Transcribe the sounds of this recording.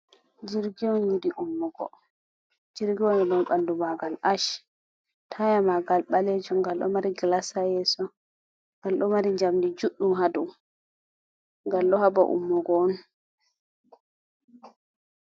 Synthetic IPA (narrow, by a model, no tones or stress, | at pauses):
d͡ʒiɾɡiɔnjudiʔumːɔɡɔ̰ | d͡ʒiɾɡiɔnɛɗɔnɓandumaɡalʔaʃ | tʰajamaɡalɓaled͡ʒumɡalɗɔ̰maɾiɡlasajɛsɔ | ŋɡalɗɔmaɾiɲd͡ʒamdid͡ʒuɗːumɦadum | ŋɡalɗɔhabaʔṵmːɔɡɔɔn